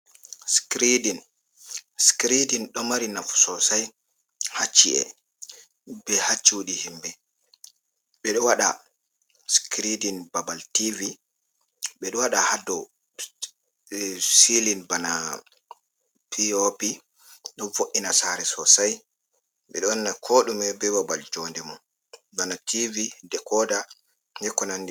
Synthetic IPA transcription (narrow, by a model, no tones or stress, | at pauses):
skɾidin | skɾidinɗɔmaɾinafsɔsaj | hat͡ʃːiɛ̰ | bɛhat͡ʃːuuɗihimbɛ | ɓɛɗɔwaɗa̰ | skɾidinbabaltivi | ɓɛɗɔwaɗahadːɔ | silinbana | piopi | ɗɔnfoʔinasaɾɛsɔsaj | ɓɛ̰ɗɔnːakʰoɗumɛbɛbabald͡ʒɔndɛmɔn | banatʰividɛkʰɔda | dɛkɔnandɛ